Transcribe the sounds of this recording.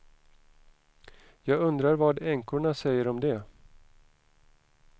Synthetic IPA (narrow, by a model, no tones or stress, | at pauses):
jɑːɡɵnd̪ɾaɾvɑːɖɛŋkʊɳasɛjːəɾɔmd̪ɛ